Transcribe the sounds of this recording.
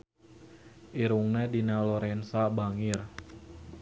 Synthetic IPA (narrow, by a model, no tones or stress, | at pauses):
ʔiɾuŋnɛdinalɔɾɛnsabaŋir